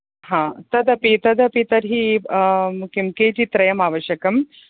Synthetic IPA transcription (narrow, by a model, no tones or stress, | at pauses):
ɦãːt̪ɐd̪ɐpit̪ɐd̪ɐpit̪ɐɾɦi | kimket͡ɕit̪ɾɐjɐmaːʋɐɕjɐkɐm